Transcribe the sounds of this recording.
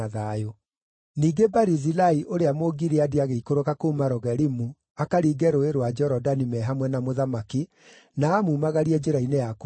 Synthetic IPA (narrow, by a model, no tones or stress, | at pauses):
aðajo | niːɡebaɾizilaiʔoɾeamoɡiɾeadiaɣeikoɾokakomaɾɔɣɛɾimu | akaɾiːɡɛɾoeɾwad͡ʒɔɾɔdanimɛɦamwɛnamoðamaki | naːmuːmaɣaɾiɛd͡ʒeɾainejako